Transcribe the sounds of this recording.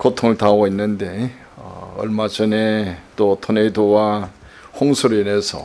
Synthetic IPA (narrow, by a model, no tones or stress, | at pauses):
kotʰoŋɯɭtaɡoinːɯnde̞ | ʌ̰ʌ̰ɭmad͡ʑʌnet͈otʰoneidowa | ɸoŋsʰuɾɯine̞sʰʌ̰